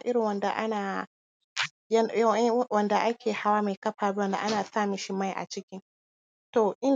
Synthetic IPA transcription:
ʔɪ˦ɾɪ˨wɐ˦nda˨ʔa˦naː˨ | jwɐ˦nda˨ʔa˦kʲʰeː˨ha˦wa˦me˨kɐ˦ɸaː˨bi˦wɐ˨nda̰˨ʔa˦naː˨saː˦˨mi˦ʃi˦ma˦˨jʔa̰˨t͡ʃɪ˦kʲɪ˦n | to˨ʔɪ˦n

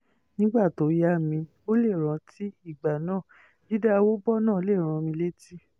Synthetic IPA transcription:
nĩ˦ɡ͡ba˦˨to˨˦ja˦˨mĩ˧ | o˦le˦˨ɾ̃ã˨˧ti˦i˦˨ɡ͡ba˨nãː˦˨ | di˦da˦˧wo˦bɔ˦nãː˦˨˦le˦˨ɾ̃ã˧mĩ˧le˦ti˦˨

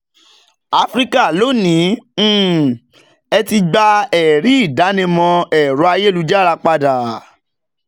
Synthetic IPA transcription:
a˦fɾi˦ka˦˨lo˨˦nĩ˨˦˨ | ɛ˧ti˧ɡ͡ba˧ɛ˨ɾi˨˦i˦˨da˨˦nĩ˧mɔ̃˧ɛ˨ɾu˨˦a˧je˦˨lu˨˦d͡ʒa˦ɾa˧k͡pa˧da˨

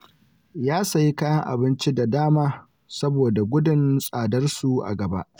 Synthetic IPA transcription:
jaː˦sɐ˨ji˦kaː˦jɐ˦ŋʔa̰˨bɪ˦nt͡ʃi˦da˨daː˦maː˦ | sɐ˦boː˨da˨ɡʷʊ˦dɪ˨nsʼaː˨dɐ˦rsu˨ʔa̰˨ɡɐ˨ba̰˦ʔ

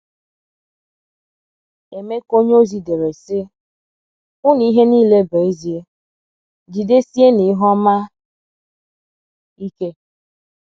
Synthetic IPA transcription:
e˨me˦ko˦ɲ˦o˦zi˨de˨ɾe˨sɪ˦ | ʊ˦n˨i˦ɦe˦niː˦le˦be˨i˦zi˦e˦ | d͡ʒi˨de˦si˦e˦ni˨˦ɦɔ˦ma˦ | i˦ke˦

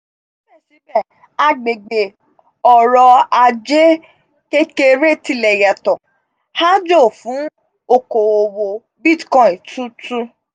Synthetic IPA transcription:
ʃi˦bɛ˦˨ʃi˨˦bɛ˦˨ | a˧ɡ͡be˨ɡ͡be˨ | ɔ˨ɾɔ˧a˧d͡ʒe˦ | ke˦ke˧ɾe˦˨ti˧˨lɛ˨jɛ˨tɔ̃˨ | ha˦d͡ʒo˦˨fũ˨˦ | o˦˨ko˨o˨wo˧ | bi˦˨tkɔ̃˦i˨tũ˦tũ˦

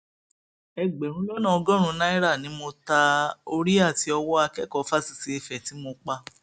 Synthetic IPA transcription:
ɛ˧ɡ͡be˨ɾ̃ũ˨˦lɔ˦nã˦˨ɔ˧ɡɔ̃˦ɾ̃ũ˧˦na˦i˦ɾa˦˨nĩ˨˦mo˧ta˧o˧ɾi˦a˦˨ti˨˦ɔ˧wɔ˦a˧kɛ˦kɔ˨˧˦fa˦si̥˧si˦i˧fɛ˨ti˨˦mo˧k͡pa˧

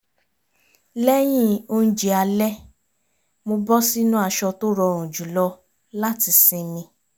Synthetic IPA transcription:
lɛ˦j̃ĩ˦o˧n̩˦d͡ʒe˧a˧lɛ˦ | mo˧bɔ˦si˦nũ˦a˧ʃɔ˧to˦ɾɔ˧˨ɾũ˨d͡ʒu˨lɔ˧ | la˦ti˧sĩ˧mĩ˧

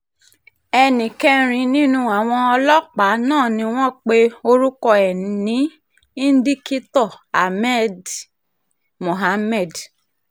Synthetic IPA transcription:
ɛ˧nĩ˨kɛ˦˧ɾ̃ĩ˨˦nĩ˦nũ˦a˨w̃ɔ̃˧ɔ˧lɔ˦k͡pa˨˦nãː˦˨nĩ˧˦w̃ɔ̃˦k͡pe˦o˧ɾu˦kɔ˧ɛ˨n˨nĩ˨˦ | i˦n̩˦di˦ki˦tɔ˦˨ | a˨mɛ˦˨d | mo˨ɦa˧˦mɛ˦˨d

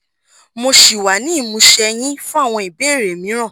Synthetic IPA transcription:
mo˧ʃi˨wa˨˦nĩ˦˨mũ˧ʃɛ˧j̃ĩ˦fũ˦a˦˨w̃ɔ̃˧i˨be˦˨ɾe˨mĩ˨˦ɾ̃ã˦˨

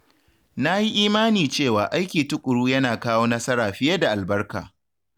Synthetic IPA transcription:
na˦ji˦ʔiː˦maː˦niː˨t͡ʃeː˦˨waː˨ʔa˦jkʲiː˨tʊ˦kʷʼʊ˨ɽuː˦jɐ˦naː˨kaː˦woː˦nɐ˦sɐ˦ɾaː˨ɸɪ˦je˦da˨ʔa˨lbɐ˦rka̰ː˨

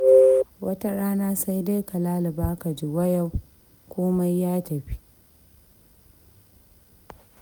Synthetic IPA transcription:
wʔɐ˦ta˦ɽaː˦naː˦sa˦jda˦jka˨laː˦lɪ˨baː˦ka˨d͡ʒi˨wɐ˦ja˨w | kʷʊ˦ma˦jːaː˦tɐ˨ɸi˦

